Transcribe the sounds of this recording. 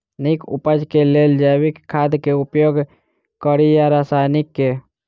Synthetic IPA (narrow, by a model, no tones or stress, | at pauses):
nikṵpəd͡ʒkeleld͡ʒajbikʰːad̪keupjoɡ | kəɾijaɾasajnikːe